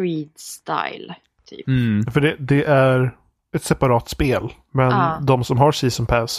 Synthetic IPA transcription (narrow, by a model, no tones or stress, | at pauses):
ɾiːd̪st̪a̰jl | tʰy̰ːpfəɖɛd̪ɛʔæɾ | ɛt̪sɛpaɾɑːt̪speːl | mɛnd̪ɔmsɔmɦɑɾʂiːsɔmpʰæs